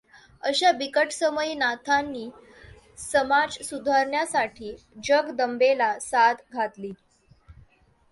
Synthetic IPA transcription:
əɕabikəʈsəməinat̪ʰanːiː | səmad͡zsud̪ʱaɾɳjasaʈʰiː | d͡ʑəɡd̪əmbelasat̪ɡʱat̪liː

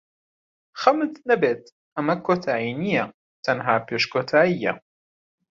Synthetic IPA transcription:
xɐmt̪nɐbeːt̪ | ʔɐmɐkʰːoːt̪ʰaːiːnija | t̪ɐnɦaːpeːʃkoːt̪ʰaːʔijːa̰

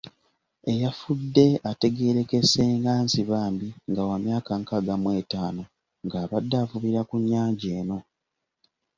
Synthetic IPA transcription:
e̞jafudːe̞ate̞ɡe̞ːɾe̞kese̞ːŋɡaːnziβaːmbiŋɡawamjaːkaŋkaɡamwe̞ːtaːno̞ | ŋɡaːβadːafuβiɾakuɲːaːɲɟeːno̞

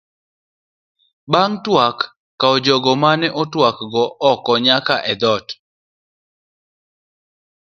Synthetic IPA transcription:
baŋtwakː | aɔd͡ʒɔɡɔmanɛʔɔtwakɡɔʔɔkɔɲakaʔɛd̪ɔt

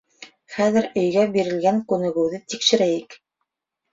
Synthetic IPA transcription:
χæðɘɾɵ̆jɡæbiɾɘ̆lɡæŋkʉnɘ̆ɡɘ̆wðɘt̪ikʃɘ̆ɾæjɘk

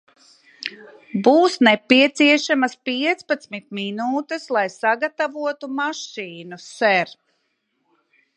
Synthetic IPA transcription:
buːsnɛpiɛt̪siɛʃamaspiɛt̪spat̪smit̪̚minuːt̪eslˠajsaɡat̪avuɔt̪umaʃiːnusɛɾ

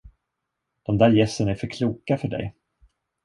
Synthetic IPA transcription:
d̪̥ɔmd̪æːɾjɛsːənæɾfœɾkʰluːkafœɖɛ̰j

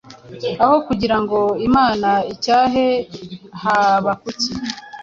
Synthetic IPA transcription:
aho̞kuɟiɾaŋɡo̞imaːnaicaːɦehaβakuci

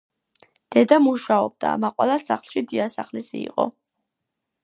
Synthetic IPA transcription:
d̪̥ɛd̪amuʃaɔb̚d̪̥a̰maqʼwɛlˠasaχlˠʃid̪iasaχlisiḭqʼɔ̰

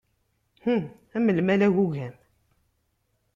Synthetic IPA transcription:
hu | æməlmælæʝuʝæm

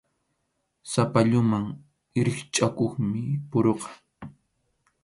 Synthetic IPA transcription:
sapaʎʊmaŋ | ɾɪχt͡ʃʼakoχmɪpʊɾoqɑ̥

